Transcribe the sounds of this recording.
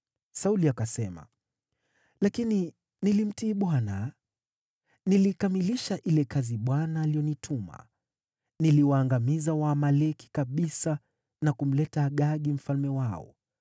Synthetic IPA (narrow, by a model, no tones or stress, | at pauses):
sauliakasɛma̰ | lakini | nilim̩tiːɓwana | nilikamiliʃaʔilɛkaziɓwanaːlijɔnitʰuma̰ | niliwaːŋɡamizawamalɛki̥kaɓisa | nakum̩lɛtaːɠaɠim̩falmɛwaɔ̰